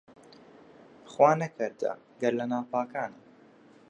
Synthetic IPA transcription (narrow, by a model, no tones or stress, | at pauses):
χwaːnɐkʰɨɾd̪ɐ̰ | ɡɐɾlɐnaːwpaːkaːnə